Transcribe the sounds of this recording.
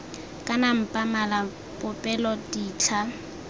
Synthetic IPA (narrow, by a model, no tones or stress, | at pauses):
kʼanam̩pʼamala | pʼʊpʼɛlɔdiːt͡ɬʰa